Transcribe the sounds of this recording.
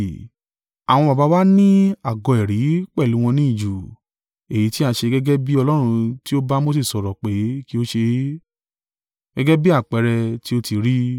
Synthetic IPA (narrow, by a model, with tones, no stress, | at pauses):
a˨w̃ɔ̃˧ba˨ba˨˦wa˦nĩ˦a˨ɡɔ̃˨ɛ˨ɾi˨˦k͡pɛ˦˨lu˨˦w̃ɔ̃˧nĩ˦i˦˨d͡ʒu˨ | e˨ji˨˦ti˦a˧ʃe˧ɡɛ˦ɡɛ˦bi˦ɔ˧lɔ˦ɾ̃ũ˧ti˦o˦ba˦mo˦s̬e˦˨sɔ˨ɾɔ˨k͡pe˨˦ki˦o˦ʃe˧ | ɡ̥ɛ˦ɡɛ˦bi˦a˦˨k͡pɛ˨˧ɾɛ˧ti˦o˦˧ti˧ɾi˦